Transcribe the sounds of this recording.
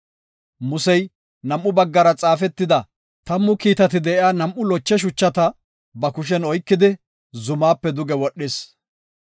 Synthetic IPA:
mʊsɛj | nɐmʔːʊbɐɡːɐɾɐt͡sʼaːfɛt̪ːɪd̪ɐ | t̪ɐmːʊkiːt̪ɐt̪ɪd̪ɛʔɪaːnɐmʔʊlɔt͡ʃːɛʃ̬ʊt͡ʃːɐt̪ɐ | bɐkʊʃ̬ɛnɔjkːɪd̪ɪ | zʊmaːpːɛd̪ʊɡɛwɔɗːɪs

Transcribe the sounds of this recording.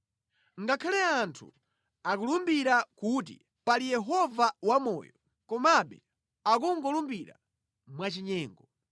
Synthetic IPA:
ŋɡakʰalɛantʰṵ | akulumbiɾakut̬ḭ | palijɛɦɔvawamɔ̰ːjɔ | kɔmaɓɛ | ak̬uŋɡɔlumbiɾa̰ | mwat͡ʃiɲɛːŋɡɔ

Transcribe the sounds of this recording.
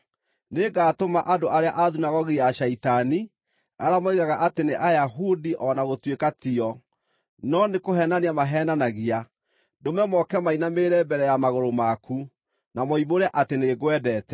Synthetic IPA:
neɡaːtomaʔadoʔaɾeaʔaðunaɣɔɣijaʃaitani | a̰ɾamɔiɣaɣaʔateneʔajaɦudiʔɔnaɣotwekatiɔ | nɔnekoɦɛnaneamaɦɛːnanaɣia | domɛmɔkɛmainameɾɛbɛɾɛjamaɣoɾomaku | namɔiβoɾɛʔateneɣwɛdɛtɛ

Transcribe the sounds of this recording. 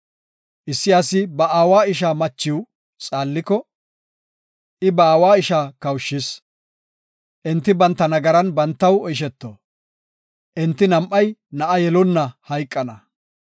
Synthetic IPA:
ʔɪsːɪjaːsɪbɐʔaːwaːɪʃ̬aːmɐt͡ʃːɪw | t͡sʼaːlːɪkɔ | ʔɪbɐaːwaːɪʃaːkɐwʃːɪs | ʔɛnt̪ːɪbɐnt̪ːɐnɐɡɐɾɐnbɐnt̪ːɐwɔjɪʃ̬ɛt̪ːo | ʔɛnt̪ːɪnɐmʔɐjnɐʔɐjɛlɔnːɐhɐjkʼːɐnɐ

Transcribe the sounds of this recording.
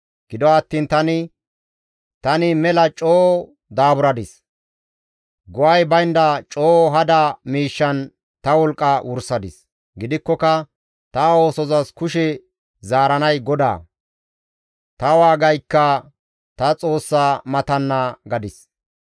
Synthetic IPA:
ɡ̥ɪd̪ɔɐt̪ːiːnt̪ɐnɪ | t̪ɐnɪmɛlɐt͡ʃʼoː | d̪aːbʊɾɐd̪ɪs | ɡɔwɐjbɐjnd̪ɐt͡ʃʼoːɦɐd̪ɐmiːʃːɐn | t̪ɐwɔlkʼːɐwʊɾsɐd̪ɪs | ɡɪd̪ɪkːɔkɐ | t̪ɐo̞ːsɔzɐskʊʃɛ | zaːɾɐnɐjɡɔd̪a̰ː | t̪ɐwaːɡɐjkːɐ | t̪ɐt͡sʼo̞ːsːaːmɐt̪ɐnːaːɡɐd̪ɪs

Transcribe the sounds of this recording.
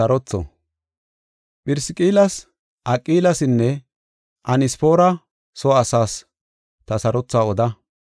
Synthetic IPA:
ɐɾɔt͡sːɔ̰ | pʼɪɾsɪkʼiːlɐs | ʔɐkʼːiːlɐsɪnːɛ | ʔɐnɪspo̞ːɾɐ | sɔːsaːs | t̪ɐsɐɾɔt͡sːaːɔd̪ɐ

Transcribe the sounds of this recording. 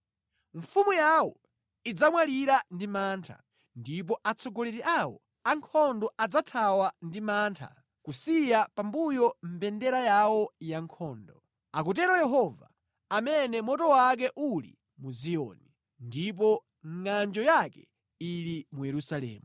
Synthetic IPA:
ɱfumujawɔ | id͡zamwaliɾandimaːntʰa̰ | ndip̬ɔʔat͡sʰɔɡɔlɛtɛʔawɔ̰ | aŋkʰɔndɔʔad͡zatʰawandimaːntʰa̰ | kusijapambujɔm̩bɛndɛɾajawɔjaŋkʰɔːndɔ | akutɛɾɔjɛɦɔva̰ | amɛnɛmɔtɔwak̬ɛʔulḭ | muziɔ̰ni | ndip̬ɔ | ŋŋand͡ʒɔjakɛ | iɾimujɛɾusalɛ̰ːmu

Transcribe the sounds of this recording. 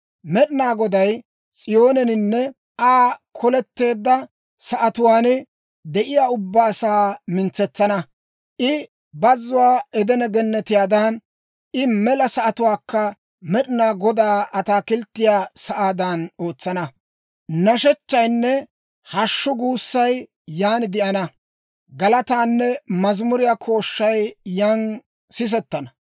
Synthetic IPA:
mɛɗɪnaːɡɔd̪ɐj | t͡sʼɪjo̞ːnɛnɪnːɛ | ʔaːkʰɔlɛt̪ːe̞ːd̪ːɐ | sɐʔɐt̪ʊwaːn | d̪ɛʔɪjaːʊbːaːsaːmɪnt͡sːɛt͡sːɐnɐ | ʔɪ | bɐzːʊwaːɛd̪ɛnɐɡɛnːɛt̪ɪjaːd̪ɐn | ʔɪmɛlɐsɐʔɐt̪ʊwaːkːɐ | mɛɗɪnaːɡɔd̪aːʔɐt̪aːkɪlt̪ːɪjaːsɐʔaːd̪ɐno̞ːt͡sːɐnɐ | nɐʃɛt͡ʃːɐjnːɛ | hɐʃːʊɡuːsːɐj | jaːnɪd̪ɪʔɐnɐ | ɡɐlɐt̪aːnːɛmɐzmʊɾɪjaːkʰo̞ːʃːɐjːan | sɪs̬ɛt̪ːɐnɐ

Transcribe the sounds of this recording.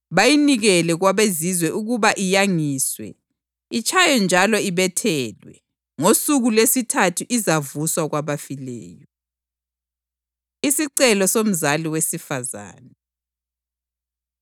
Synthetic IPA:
βajiniɣɛlɛɣwaβezizwɛʔuɣuβaʔijaŋiːswɛ̰ | it͡ʃʼʰajɔnd͡ʒʱalɔiβɛtʰɛːlwɛ | ŋosuɣulesitʰatʰuʔizavuswaɣwaβafilɛ̰ːjɔ | isiǀɛlɔsom̩zaliwesifaza̰ːnɛ

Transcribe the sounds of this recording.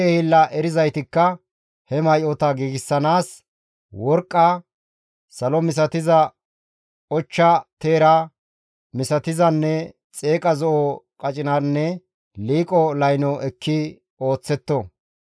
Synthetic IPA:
ehɪlːɐʔɛɾɪzɐjt̪ɪkːɐ | hɛmɐjʔɔt̪ɐɡiːɡɪsːɐnaːs | wɔɾkʼːɐ | sɐlɔmɪs̬ɐt̪ɪzɐ | ɔt͡ʃːɐt̪e̞ːɾɐ | mɪsɐt̪ɪzɐnːɛ | t͡sʼeːkʼɐzɔʔɔkʼɐt͡ʃʼɪnanːɛ | liːkʼɔlɐjnɔʔɛkːɪ | o̞ːt͡sːɛt̪ːɔ

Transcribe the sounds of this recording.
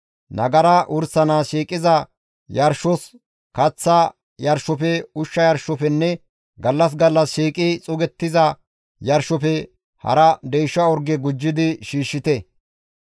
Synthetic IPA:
nɐɡɐɾɐʔʊɾsɐnaːʃiːkʼɪzɐ | jɐɾʃɔs | kɐt͡sːɐ | jɐɾʃɔfɛʊʃːɐjɐɾʃɔfɛnːɛ | ɡɐlːɐs̬ɡɐlːɐsʃiːkʼɪt͡sʼʊɡɛt̪ːɪzɐ | jɐɾʃɔfɛ | hɐ̰ɾɐd̪ɛjʃɐɔɾɡɛɡʊd͡ʒːɪd̪ɪʃiːʃːɪt̪ɛ

